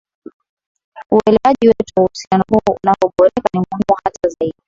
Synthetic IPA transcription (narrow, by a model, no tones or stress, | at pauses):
uɛlɛwaʄiwɛtuwahusianɔhuɔunaɔɓɔɾɛkanimuhimuhatazaiɗi